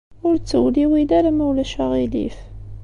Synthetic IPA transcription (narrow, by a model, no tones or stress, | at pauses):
ʊɾt͡sːəwliwid̪æɾamæwlæʃaʁilḭf